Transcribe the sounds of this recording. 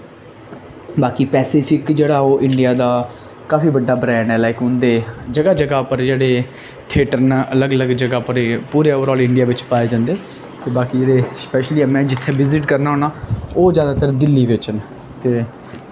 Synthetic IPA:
baːkiːpɛːsiːpʰɪkd͡ʒeːɽaːoːʔɪɳɖijaːd̪aː | kaːfiːbəɖːaːbɾɛ̃ːnɛːlaːɪkʊ̃nd̪eːd͡ʒəɡaːd͡ʒəɡaːpəɾd͡ʒeːɽeː | t̪ʰeːʈəɾnːʔələɡələɡd͡ʒəɡaːpəɾpuːɾeːoːʋəɾɔːlɪɳɖɪjaːʋɪt͡ʃpaːeːd͡ʒãːnd̪eː | t̪eːbaːkiːd͡ʒeːɽeːspɛːʃliːmɛ̃ːd͡ʒɪt̪ʰːeːʋɪzɪʈkəɾnaːɦoːnaːoːd͡ʒjaːd̪aːt̪əɾd̪ɪlːiːʋɪt͡ʃən | t̪eː

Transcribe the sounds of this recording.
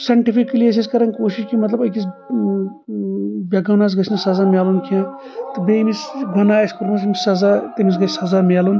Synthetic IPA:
sɐɳʈipʰikːlies̬iskɐɾɐnkoːʃiʃkimɐt̪lɐbɐjkis | bʲɐɡɐwnas̬ɡɐsʰnɐsɐzaːmʲjaːlunkʰijãː | t̪ɨbemisbɐnaːɐskuɾmɐsmisɐzat̪ɐmis̬ɡɐt͡ʃʰsɐzaːmʲaːlun

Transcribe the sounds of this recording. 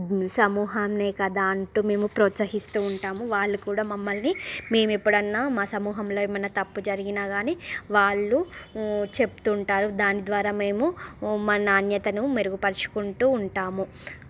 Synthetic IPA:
sɐmuːɦɐmne̞ːkɐd̪aːɐɳʈuːme̞ːmupɾɔːt̪sɐɦist̪uːɳʈaːmuʋaːɭːukuːɽaːmɐmːɐlnime̞ːmuepːuɽɐnːaːmaːsɐmuːɦɐmlo̞ːimɐnɐt̪ɐpːud͡ʒɐɾiɡinaːɡaːniːʋaːɭːu | t͡ʃe̞pu̥t̪uɳʈaːɾud̪aːnid̪ʋaːɾaːme̞ːmumaːnaːnjɐt̪ɐnumeɾuɡupɐɾɐt͡ʃu̥kuɳʈuːɳʈaːmu

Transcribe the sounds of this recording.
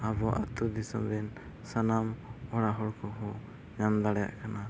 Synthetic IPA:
abɔʔat̪ud̪isɔmbɛn | sanamɔɾaɦɔɾkʰɔɦɔ | jand̪aɽɛja̰ʔkʰana

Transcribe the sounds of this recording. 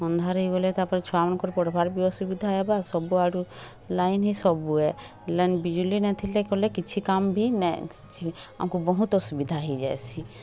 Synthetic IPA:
ɔnd̪ʱaɾɔɦiɡɔlɛt̪apɔɾɛt͡ʃʰɔamɔnkɔɾpɔɽɔbʱaɾbiɔsubid̪ʱaɛbasɔbuaɾu | lajnɦisɔbuɛ | lɛnbid͡ʒulinɛt̪ʰilɛkɔlɛkit͡ʃʰikambʱinɛ | t͡ʃʰia̰mkubɔɦũt̪ɔsubid̪ʱaɦid͡ʒa̰jt͡ʃʰi

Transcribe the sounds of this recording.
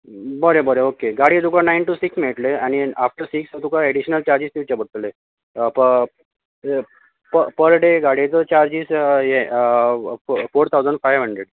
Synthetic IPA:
bəɾebəɾeokeɡaɽid͡z̪ukanainʈusiksmeʈleañiafʈəsiksət̪ukaeɽiɕnəlt͡ɕaɾd͡ʑiːst̪iwt͡ɕabət̪le | pə | pəpəɾɖeɡaɽit͡sət͡ɕaɾd͡ʑiːsje | foɾt̪ʰawd͡zəɳɖfajʋɦəɳɖɾeɖ

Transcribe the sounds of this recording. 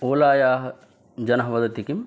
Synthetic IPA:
oːlaːjaːɦɐ | d͡ʒɐnɐɦɐʋɐd̪ɐt̪ikim

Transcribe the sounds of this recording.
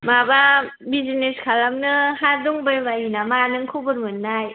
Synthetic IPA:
mababizineskʰalamnɯhaduŋbɯjbajinamanɯŋkʰubɯɾmɯnːaj

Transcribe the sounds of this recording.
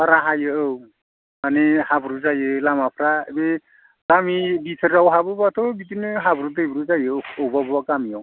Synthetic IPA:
aɾaɦajɯɯw | manihabɾuzajɯlamapʰɾaebe | kamibitʰɯɾawɦabɯbat̪ʰɔbitinɯɦabɾutejbɾuzajɯowbabakamiaw

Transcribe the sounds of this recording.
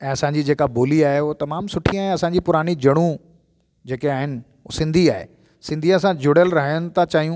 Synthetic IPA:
ɛ̃ːɐsãɲd͡ʑiːd͡ʑeːkaboːliaːɦeʊt̪ɐmaːmsʊʈʰiaɛ̃ːɐsãɲd͡ʑipʊɾaːñid͡ʑɐɽ̃ũ | d͡ʑeːkeaːɦɪnɪ̆ | sɪ̃nd̪ʱiaːɦḛ | sɪ̃nd̪ʱiɐsãd͡ʑʊɽəlɾɐɦəjənɪ̆t̪ʰat͡ɕaːɦijũ

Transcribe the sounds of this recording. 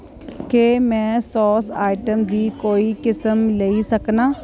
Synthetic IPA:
kemɛ̃ːsɔːsa̰ːɪʈəmd̪iːkoːikɪsəmleːisəknaː

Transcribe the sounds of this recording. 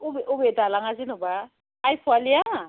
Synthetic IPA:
ʊbɛʔʊbɛtʼalaŋazɪnʊbaː | jfʰwalɪja

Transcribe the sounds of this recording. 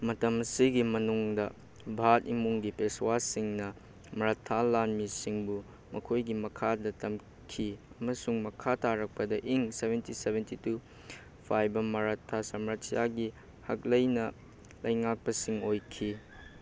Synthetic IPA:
mɐtɐmɐsiɡimɐnuŋdɐ | bʱatimuŋɡipeswasiŋnɐ | mɐɾatʰːalanmisiŋbu | mɐkʰojɡimɐkʰadɐtɐm | kʰiɐmɐsuŋmɐkʰataɾɐk̚pɐdɐʔiŋsebʱentisebʱentitu | pʰajbɐmɐɾatʰːasɐmɾasjaɡi | hɐk̚lɐjnɐ | lɐjŋak̚pɐsiŋojkʰi

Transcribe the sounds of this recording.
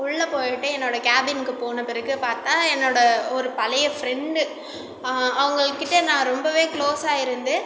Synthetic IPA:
ʊɭːɐpoːjɐʈːɯɛnːoːɽɐkaːbɪnkːɯpoːnɐpɪɾɐkːɯpaːɾt̪ãːɛnːoːɽɐɔɾɯpɐlɐjɐfɾɛɳɖɯ | ɐʋɐŋɡɐɭɯkːɪʈːɐnãːɾɔmbɐʋeːkɭoːsaːɪɾɯnd̪ɯ

